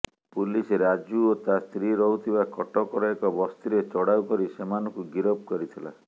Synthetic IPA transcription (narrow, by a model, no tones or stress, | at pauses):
puliseɾad͡ʒuot̪ast̪ɾiɾɔɦut̪ʰibakɔʈɔkɔɾɔekɔbɔst̪iɾet͡ʃɔɽawkɔɾisemanɔŋkuɡiɾob̚kɔɾit̪ʰila̰